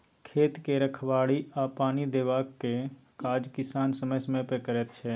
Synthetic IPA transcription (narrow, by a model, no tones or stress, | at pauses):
kʰeːt̪keɾəkʰʋaːɽiapaːnid̪eːʋaːkkːekaːd͡ʒkɪsaːnsəməjsəməjpekəɾɛt̪t͡ʃʰɛː